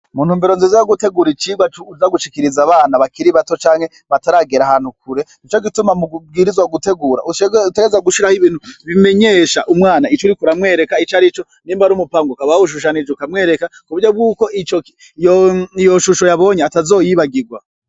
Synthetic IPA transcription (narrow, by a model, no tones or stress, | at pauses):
muːn̥uːmbeɾo̞nzizajoɡute̞ɡuɾit͡ʃiːɡwat͡ʃuuzaɡuʃikiɾizaβaːnaβakiɾiβato̞t͡ʃaːŋhe̞ | βataɾaɡeɾahaːn̥huk̚uɾe̞ | it͡ʃo̞ɡitumamub̚ɡiɾizwaɡute̞ɡuːɾa̰uteɡeezaɡuʃiɾahiβiːn̥huβime̞ɲe̞ʃaʔumŋaːnait͡ʃuɾikuɾamŋe̞ːɾe̞kait͡ʃaɾit͡ʃo̞ | niːmbaɾumupaːŋɡokaβauʃ̬uʃ̬anid͡ʒukamŋe̞ːɾe̞kakuβuɾjob̚ɡuːko̞ʔit͡ʃo | jijoʃuʃo̞jaβo̞ɲeatazo̞ːjiβaɡiɡwa